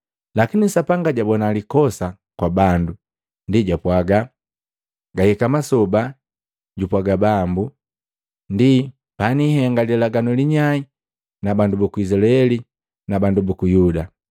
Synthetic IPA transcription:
lakinisapaŋɡaɟabɔnalikɔsa | kwabandu | ndiɟapwaɡa | ɡahɛkamasɔba | ɟupwaɡabambu | ndi | paniɦɛŋɡaliɛlaɡanɔliɲai | nabandubukuizilaɛli | nabandubukujuda

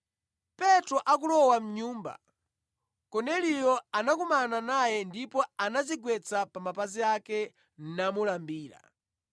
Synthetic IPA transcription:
pɛtɾɔʔak̬ulɔwam̩ɲuːmba̰ | kɔnɛlijɔanakumananajɛndipɔanaziɡwɛt͡sapamapaziakɛ | n̩namulambiːla̰

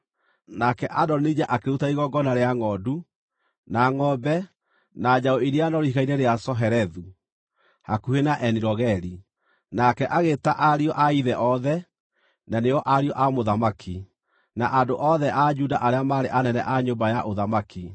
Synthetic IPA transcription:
nakɛʔadɔnid͡ʑaʔakeɾutaiɣɔɡɔnaɾeaŋɔdu | naŋɔbɛ | nad͡ʑaoiɾianɔɾihiɣainɛɾeasɔɦɛɾɛðu | hakuhenaʔɛniɾɔɣɛɾi | nakɛʔaɣetaʔaɾiɔʔaiðɛʔɔðɛ | naneɔʔaɾiɔʔamoðamakʰi | naʔadoʔɔðɛʔad͡ʒudaʔaɾeamaːɾeʔanɛnɛ̰ʔaɲombajaʔoðamaki

